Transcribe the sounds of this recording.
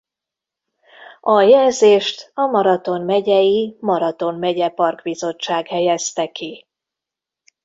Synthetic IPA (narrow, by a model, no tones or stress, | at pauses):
ɒjɛlzeːʃt̪ɒmɒɾɒt̪o̞nmɛɟɛjimɒɾɒt̪o̞mmɛɟɛpɒrɡbizo̞t͡ʃːaːɡhɛjɛst̪ɛki